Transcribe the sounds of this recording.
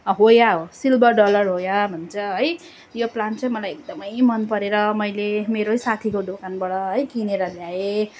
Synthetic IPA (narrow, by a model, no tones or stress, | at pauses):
ɦojaosilbʌrɖʌlʌrɦojabʱʌnt͡sʰʌɦʌj | joplant͡saj̃mʌlajek̚d̪ʌmʌjmʌnpʌɾeɾʌmʌjlemeɾosat̪ʰikoɖokanbaɽʌɦʌjkineɾʌljae